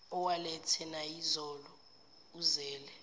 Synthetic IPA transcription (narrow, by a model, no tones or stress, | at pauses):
ɔwalɛtʰɛnaizɔlɔ | uzɛːlɛ